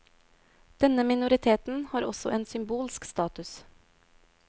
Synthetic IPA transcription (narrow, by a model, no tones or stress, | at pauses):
d̪̥ɛnəmɪnʊɾɪt̪ʰeːt̪n̩hɑːɾɔsɔʔeːnsʏmbuːlskst̪ɑːt̪ʉs